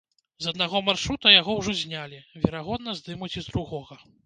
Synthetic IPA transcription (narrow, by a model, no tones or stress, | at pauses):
zɐd̪naɣɔmarʂɾut̪ɐjaɣɔwʐɔzʲnʲalʲivʲɛɾaɣɔd̪nɐzʲd̪ɨmut͡sʲizd̪ɾuɣɔɣɐ